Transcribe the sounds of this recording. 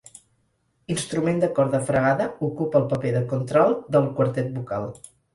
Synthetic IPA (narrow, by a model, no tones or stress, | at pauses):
inst̪ɾumend̪əkɔɾðəfɾəɣaðəukupəːlˠpəpeðəkunt̪ɾɔlˠd̪əlˠkwəɾt̪ɛt̪̚buka̰lˠ